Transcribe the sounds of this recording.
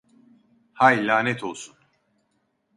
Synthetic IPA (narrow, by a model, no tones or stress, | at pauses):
hajlʲaːnɛt̪ʰo̞lˠsun